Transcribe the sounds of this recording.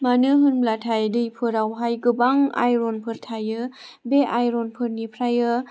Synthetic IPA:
manɯɦɯnmlatʰajdɯjpʰɯɾawɦajɡɯbaŋa̰jɾonpʰɯɾtʰajɯbeʔajɾonpʰɯɾnipʰɾajɯ

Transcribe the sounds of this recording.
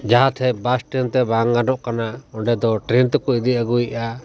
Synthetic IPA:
d͡ʒaɦat̪ʰɛbasʈɾint̪ɛbaŋɡanɔʔkanaɔɳɖɛd̪ɔʈɾint̪ɔkɔid̪iʔaɡuiʔa

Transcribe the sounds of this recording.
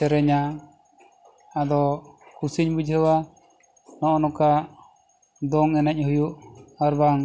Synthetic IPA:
ɛɾɛɲa | d̪ɔkusiɲbud͡ʒʱɛwa | nɔʔɔnɔka | d̪ɔŋɛnac̚ˀhujuʔaɾbaŋ

